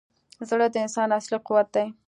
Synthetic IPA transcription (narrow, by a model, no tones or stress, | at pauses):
zɽəd̪əɪnsɑnasliquwat̪̚d̪aj